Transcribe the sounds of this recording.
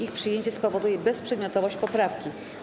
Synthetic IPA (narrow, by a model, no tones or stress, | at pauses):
ixpʂɘjeɲt͡ɕɛspɔvɔd̪ujɛbɛspʂɛd̪mʲjɔt̪ɔvɔɕt͡ɕpɔpɾafkʲi